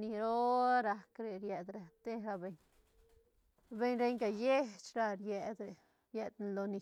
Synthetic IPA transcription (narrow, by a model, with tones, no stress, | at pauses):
ni˧ɾo˦ɾa˧kɾe˨ɾje˨d̪ɾa˧t̪e˦ɾa˧be˧ɲ | be˧ɲɾe˧ɲɡa˨je˦t͡ʃɾa˧ɾje˨d̪ɾe˨ | je˧d̪n˨lo˧ni˧